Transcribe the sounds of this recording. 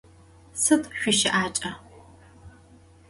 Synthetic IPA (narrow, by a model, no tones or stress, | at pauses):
sɨtʰʼɕʷiʃɪʔaːt͡ʃʼɐ